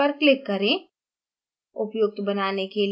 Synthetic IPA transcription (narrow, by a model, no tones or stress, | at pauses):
ɐɾklɪkːɐɾẽ | ʊpjʊk̚t̪bɐnaːnekel